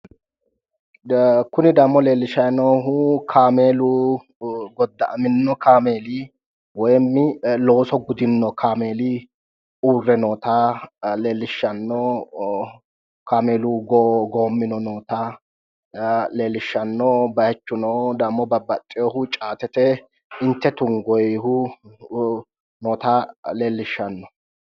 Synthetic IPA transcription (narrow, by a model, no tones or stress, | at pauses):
kʊnɪd̪ɐmːɔle̞ːlːɪʃɐjnɔɦukʰaːmeːluː | ɡɔd̪ːɐʔɐ̰mɪnːɔkaːme̞ːliː | wɔjmːɪlo̞ːsɔɡʊd̪ɪnːɔkʰaːme̞ːli | uːrːɛnoːt̪aːle̞ːlːɪʃːɐnːɔ | kaːme̞ːluːɡɡoːmːɪnɔnoːt̪a | le̞ːlːɪʃːɐnːɔbɐjɛt͡ʃːʊnɔd̪ɐmːɔbɐbːɐt̪ʼːɪjɔhʊt͡ʃʼaːt̪ɛt̪ɛ | ɪnt̪ːɛt̪ʊŋɡɔjhʊ | noːt̪aːle̞ːlːɪʃːɐnːɔ